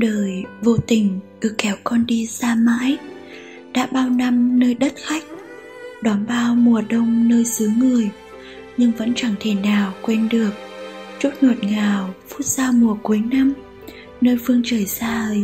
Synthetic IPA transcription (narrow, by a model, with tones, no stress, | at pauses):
ɗəː˨˩jvo̰˧˨t̪ï˨˩ŋ̟ʔɨ˨˩kːɛ˨˦wkɔ˧nɗi˧zaː˧ma̰ː˧˥j | ɗa̰ː˧˥ɓaː˧wna˧mnəː˧jɗə˦˥t̚xa˦˥jk̟̚ | ɗɔ˨˦nɓaː˧wmu˨˩əɗə˧wŋ͡mnəː˧jsɨ˨˦ŋɨ˨˩əj | ɲɨ˧ŋvə̰˧˥nt͡ɕa˧˩ŋt̪ʰe˧˩naː˨˩wkwɛ˧nɗɨ˨˩ək̚t͡ɕu˦˥t̚no˨˩t̚ŋaː˨˩wfu̥˦˥t̚z̥aː˧wmu˨˩əku˨˦jna˧m | nəː˧jfɨ˧əŋt͡ɕəː˧˩jsaː˧˨˩